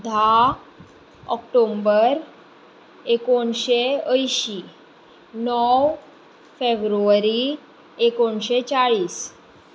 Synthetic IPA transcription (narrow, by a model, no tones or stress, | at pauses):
d̪ʱa | ɔk̚ʈombəɾ | ekoɳɕeəjɕiː | nɔw | febɾuʋɾi | ekoɳɕet͡ɕaɭiːs